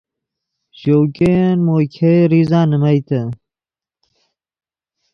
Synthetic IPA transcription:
ɕowkenmokʰeɾizãːnəmɐjt̪ɐ

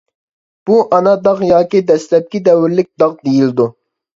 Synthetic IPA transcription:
b̥uʔɑnɑd̪ɑʁjɑːkʲid̪ɛslɛp̚kʲid̪ɛwyɾlɪk̚ʲd̪ɑʁd̪ijild̪u

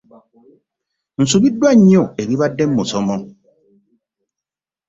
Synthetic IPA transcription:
n̩subidwaɲɔebibadɛmːosɔmɔ

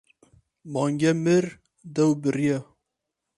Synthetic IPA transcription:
mɑːŋɡɛmɨɾ | d̪ɛwbɨrijɛ

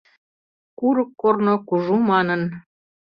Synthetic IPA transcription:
kuɾəkːornokuʒumɑnən

